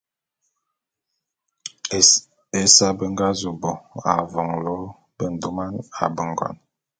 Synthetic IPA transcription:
e˨sa˦bə˦ŋɡa˦zu˨bɔ˨a̰˨vɔ˨ŋlɔ˨˦ | bə˨n̩˨du˦ma˦na̰˨bə˨ŋ˨ɡɔ̰˨n

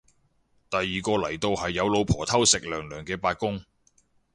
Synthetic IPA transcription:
t̪ɐ˨jːiː˨kɔː˧lɐ˨˩jt̪o˧whɐ˨jːɐ˨˧wlo˨˧wpʰɔː˨˩t̪ʰɐ˥wsɪ˨k̚lœː˨˩ŋlœː˨˩ŋkɛː˧paː˧t̚kʊ˥ŋ

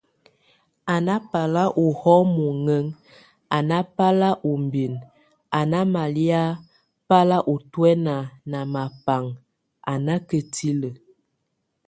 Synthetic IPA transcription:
a˨na˦pa˨la˦ʔo˨hɔ˦mo˨ŋə˦ŋ | a˨na˦pa˦la˦ʔu˨m˨bi˨n | a˨na˦ma˨li˦a˦ | pa˦la˦ʔo˨twɛ˦na˨na˨ma˨pa˨ŋ | a˨na˦kə˨ti˦lə˨

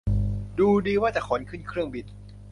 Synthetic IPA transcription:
duː˧diː˧waː˥˩t͡ɕa˨˩kʰɔː˩˦nkʰɯ˥˩˨nkʰɾɯ˥˩əŋbi˨˩n

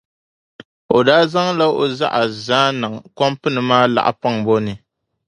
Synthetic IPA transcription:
o˨daː˦za˦ŋla˦o˨za˦ʔa˨zaː˦nɨ˨ŋ˨kɔ˦mpɨ˦nɨ˨maː˦la̰˨ʔa̰˨pa˦ŋbo˦nɨ˨

